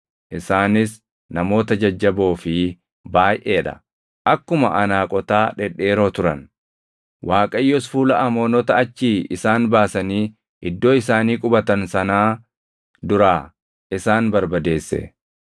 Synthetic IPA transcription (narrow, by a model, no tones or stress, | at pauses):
ʔɪsaːnɪs | nɐmo̞ːt̪ɐd͡ʒɐd͡ʒːɐbo̞ːfɪ | baːjʔe̞ːᶑɐ̰ | ʔɐkːʊmɐʔɐnaːkʼɔt̪aːᶑɛᶑe̞ːɾo̞ːt̪ʊɾɐ̰n | waːkʼɐjːɔsfuːlɐʔɐmo̞ːnɔt̪ɐɐt͡ʃːiːʔɪsaːnbaːsɐniː | ʔɪd̪ːo̞ːɪsaːniːkʼʊbɐt̪ɐnsɐnaː | d̪ʊɾaː | ʔɪsaːnbɐɾbɐd̪e̞ːsːɛ̰